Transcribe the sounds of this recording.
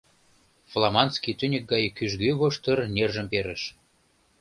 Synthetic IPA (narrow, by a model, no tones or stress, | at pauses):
flˠɑmɑnskit̪ynʲik̚ɡɑjkyʒɡyβoʃt̪ə̆rnʲerʒə̆mpeɾə̆ʃ